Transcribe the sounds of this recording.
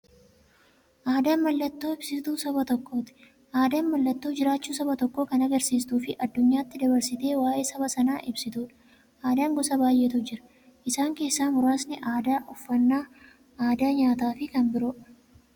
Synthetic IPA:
ʔaːd̪aːnmɐlːɐt̪ːo̞ːɪb̥sɪt̪uːsɐbɐt̪ɔkːo̞ːt̪ɪ̥ | ʔaːd̪aːnmɐlːɐt̪ːo̞ːd͡ʒɪɾaːt͡ʃːuːsɐbɐt̪ɔkːo̞ːkɐnɐɡɐɾsiːst̪uːfɪʔɐd̪ːʊɲːaːt̪ːɪd̪ɐbɐɾsɪt̪e̞ːwaːje̞ːsɐbɐsɐnaːʔɪbsɪt̪uːᶑɐ̥ | ʔaːd̪aːŋɡɔsɐbaːjʔeːt̪ʊd͡ʒɪɾɐ̥ | ʔɪsaːŋke̞ːsːaːnhʊɾaːsnɪʔaːd̪aːʔʊfːɐnːaː | aːd̪aːɲaːt̪aːfɪkɐnbɪɾoːᶑ

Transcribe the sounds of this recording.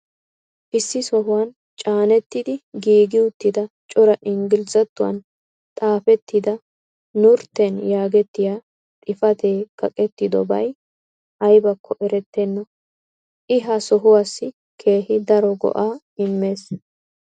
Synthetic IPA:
ʔɪsːɪsɔɦʊwɐn | t͡ʃʼaːnɛt̪ːɪd̪ɪɡiːɡɪʊt̪ːɪd̪ɐ | t͡ʃʼɔɾɐʔɪŋɡɪlzɐt̪ːʊwɐ̰n | t̪ʼaːfɛt̪ːɪd̪ɐ | nʊɾt̪ːɛnjaːɡɛt̪ːɪjaː | t̪ʼɪfɐt̪ʰeːkːɐkʼɛt̪ːɪd̪ɔ̰bɐ̰j | ʔɐjbɐkʰːɔʔɛɾɛt̪ːenːɔ | ʔɪɦɐsɔɦʊwasːɪ | kʰe̞ːhɪd̪ɐɾɔɡɔ̰ʔaː | ɪmːe̞ːs

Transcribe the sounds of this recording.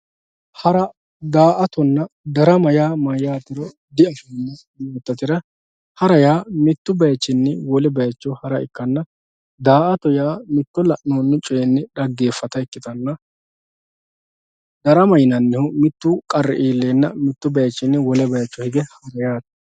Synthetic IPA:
hɐɾɐ | d̪aːʔɐt̪ɔnːɐd̪ɐɾɐmɐjaːmɐjaːt̪ːɪɾɔ | d̪ɪɐfɐnːɐdɪjoːt̪ːɐt̪ɪɾɐ | hɐɾɐjaːmɪt̪ːʊbɐjɐt͡ʃːɪnːɪwɔlɛbɐjɐt͡ʃːɔhɐɾɐɪ̰kːɐnːɐ | d̪aːʔɐt̪ɔjaːmɪt̪ːɔlɐʔnoːnːʊt͡ʃʼeːnːɪᶑɐɡːe̞ːfːɐt̪ɐɪkːɪt̪ɐnːɐ | d̪ɐɾɐmɐjnɐnːɪhʊmɪt̪ːukʼɐɾːɛ̰ʔiːlːeːnːɐmɪt̪ːʊbɐjɐt͡ʃːɪnːɪwɔlɛbɐjɐt͡ʃːɔhɪɡɛhɐɾɐjaːt̪

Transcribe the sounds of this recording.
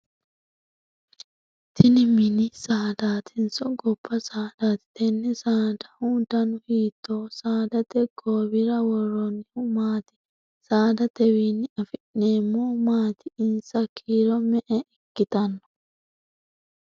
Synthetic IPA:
t̪ʰɪnɪmɪnɪsaːd̪aːt̪ʰɪnsɔɡɔbːɐsaːd̪̥aːt̪ɪ̥t̪ɛnːɛsaːd̪ɐhʊd̪ɐnʊhiːt̪ːoːsaːd̪ɐt̪ɛɡ̥oːbɪɾɐwɔrːɔnːɪhʊmaːt̪ɪ̥ | saːd̪ɐt̪ɛwinːɪɐfɪʔneːmːɔmaːt̪ɪɪnsɐkʰːiːɾɔmɛʔɛɪkːɪt̪ɐnːɔ̥

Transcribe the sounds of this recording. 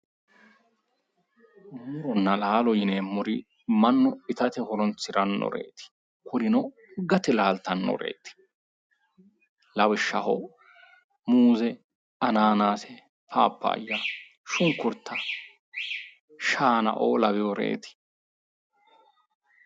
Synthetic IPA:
muɾɔnːɐlaːlɔjɪneːmːʊɾɪ | mɐnːɔɪt̪ɐt̪ɛhɔɾɔnt͡sːɪɾɐnːɔ̰ɾḛːt̪ɪ̥ | kʊɾɪnɔ | ɡɐt̪ɪlaːlt̪ɐnːɔ̰ɾḛːt̪ɪ̥ | lɐwɪʃːɐ̰hɔ̰ | muːzɛ | ɐnaːnaːsɛ | fa̰ːpːa̰ːjːa | ʃʊŋkːʊɾt̪ʰːɐ | ʃaːnɐ̰ʔoːlɐwɪɔɾḛːt̪ɪ̥

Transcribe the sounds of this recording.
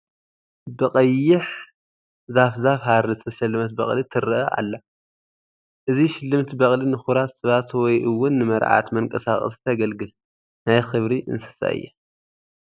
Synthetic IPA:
bɨqʼɐjːɪħ | zafzafɦaɾɨzɨt̪ʰɐʃɐlːɨmɐt̪̚bɐχʼlit̪ʰɨɾɨʔɐʔa̰lːɐ | ʔɨziʃɪlːɨmt̪ʰibɐχʼlinɨxuɾat̪sɨβat̪wɔjʔɨwːʊnːɨmɐɾʕa̰t̪mɐŋkʼɐsaχʼɐ̰st̪ʰɐɡɐlɡɨl | najxɨβɾiʔɨ̰nsɨ̥sa̰ʔɨ̰jːa

